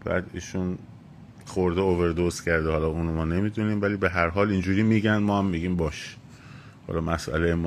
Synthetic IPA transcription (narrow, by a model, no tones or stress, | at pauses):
b̥æ̰ːd̪ḭːʃun | χoɾd̪eoveɾd̪oscʰæɾd̪ehɒːlɒːuːnomɒːne̞miːd̪uniːmvæliːbe̞ɦæɾɦɒːlind͡ʒuːɾiːmiːɟænmɒːhæmːiɡiːmbɒːʃe̥ | hɒ̰ːlɒːmæsʔæ̰lejemː